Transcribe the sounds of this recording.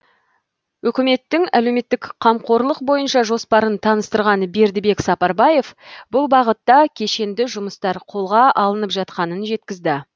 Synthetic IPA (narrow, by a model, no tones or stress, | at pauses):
wɵkʲɪme̞t̪ːɪŋæle̞wme̞t̪ːɪkqʰɑmqo̞ɾlˠəqbo̞jənʃɑʒo̞spɑɾənt̪ʰɑnəst̪əɾʁɑnəbe̞ɾd̪ɪbe̞ksɑpɑɾbɑje̞fbʊlˠbɑʁət̪ːɑkʲʰe̞ʃe̞nd̪ɪʒʊməst̪ɑɾqʰo̞lˠʁɑʔɑlˠənəpʒɑt̪qɑnənʒe̞t̪kʲɪzd̪ɪ